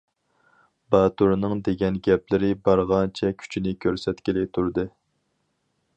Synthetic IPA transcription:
bɑːt̪uɾnɨŋd̪eɡʲɛnɡʲɛplɪɾɪbɑɾʁɑnt͡ʃʰɛkʲʰy̥t͡ʃʰinɪkʲʰøɾsɛt̪kʲilɪt̪ʰuɾd̪ɨ

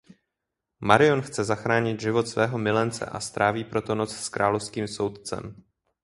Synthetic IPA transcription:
maɾɪo̞nxt͡sɛzaxɾaːɲɪt̪ʒɪvo̞t̪svɛːɦo̞mɪlɛnt͡sɛ̰ʔa̰st̪ɾaːviːpɾo̞t̪o̞no̞t͡sskɾʔaːlofskiːmso̞wt̪̚t͡sɛ̰m

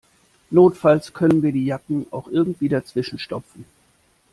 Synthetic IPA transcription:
noːtfalskʰœnənviːɐdiːjakŋ̩a̰ʊxʔɪɐɡŋ̩tv̥iːdat͡sv̥ɪʃn̩ʃtɔp͡fn̩

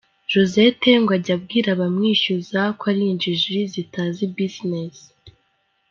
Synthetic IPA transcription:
ʒ̥oze̞teŋɡwaɟab̚ɡiːɾaβamŋiːʃuzakwaɾind͡ʒiʒizitazibiznes

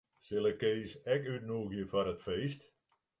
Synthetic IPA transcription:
sɪlˠəkːeːsɛkytnuəɣjəfaɾətfeːst

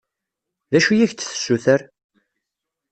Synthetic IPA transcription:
ðæʃujiçt͡sːθə̥sːuθəɾ

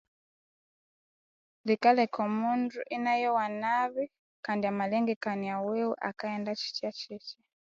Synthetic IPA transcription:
likalɛkɔmunduʔinajɔwanaβi | kandiamalɛŋɡɛkaniawɛwɛʔakaɛndat͡ʃi̥t͡ʃiat͡ʃit͡ʃɛ

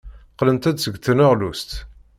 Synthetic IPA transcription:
qlənt̪æd̪səɡθənəʁlust̪

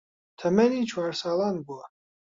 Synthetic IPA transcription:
t̪ʰəmɛnit͡ʃʰwaɾsalanbua

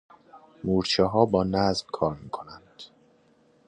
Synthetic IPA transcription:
muːɾt͡ʃʰɛɦɒːbɒːnæzmkʰɒːɾmiːkʰonænd̪̥

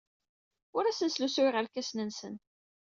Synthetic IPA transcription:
ʊɾæsənslusʊiʁəlkæsnənsən

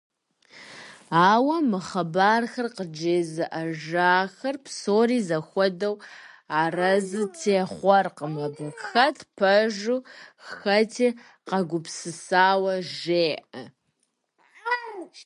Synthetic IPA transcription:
aːwɐmɨχɐbaːrxɐrqəd͡ʒeːzɨʔɐʒaːxɐrpʰsoːriːzɐxʷɔdɐw | aːrɐzɨtʰeːχʷɔrqəmɐbɨkxɐtʰpʰɐʒuxxɐtʰiː | qɐɡʷʊpsɨsaːwɐʒeːʔɐ

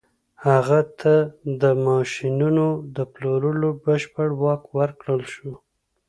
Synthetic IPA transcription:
haɣat̪ʰad̪əmɑʃinunod̪əploɾəlobəʃpəɽwɑkwəɾkɽəlʃu

